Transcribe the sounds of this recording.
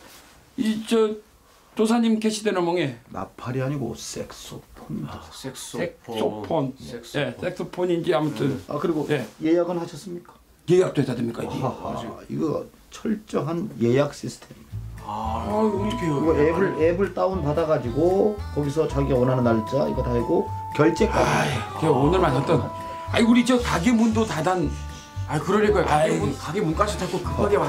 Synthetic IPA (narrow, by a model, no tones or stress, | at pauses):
it͡ɕʌ | t͡ɕosʰaɲimkeɕʰidenɯnmʌŋena̰pʰaɾiɦaɲiɡo̰s͈eks͈opʰon | eks͈oppʰonje̞s͈ek̚s͈ʰopʰoɲind͡ʑiamutʰɯna̰kɯɾiɡoje̞je̞jaɡɯnhaɕʰʌs͈ɯmɲik͈ḁ | je̞jak̚t͈oɦedadɯmɲik͈aḭɡe | ḭɡʌ | t͡ɕʰʌɭt͡ɕ͈ʌɦanje̞jak̚ɕ͈isʰɯ̥tʰe̞ma | keɾiɡoebɯɭebɯɭt͈aunpadaɡad͡ʑiɡokʌɡisʰʌt͡ɕaɡiawʌnɦanɯnːaɭt͡ɕ͈aḭɡʌtaiɡo | kjʌɭt͡ɕ͈e̞k͈akeonɯɭmanat͈ʌn | aiuɾid͡ʑekaɡinmundotadan | akɯɾʌɾeɡojkaɡibunkaɡimunk͈aɕʰʌtʰak͈okɯk͈aɡema